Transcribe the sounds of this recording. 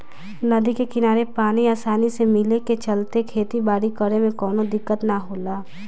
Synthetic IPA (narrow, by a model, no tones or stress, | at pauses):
nɐd̪ikekɪnaːɾepaːniaːsaːnisemɪleket͡ʃɐlt̪ekʰeːt̪ibaːɽikəɽemẽkɔːnod̪ɪkːət̪naɦoːlaː